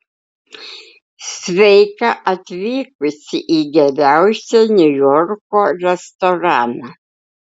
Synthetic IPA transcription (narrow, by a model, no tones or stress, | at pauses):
sʲʋʲɛɪkɐʔɐt̪ʲʋʲiːkʊsʲɪʔiːɡʲɛɾʲæˑʊsʲɛnʲʊjɔɾkoːɾʲɛst̪ɔɾɑːnɑ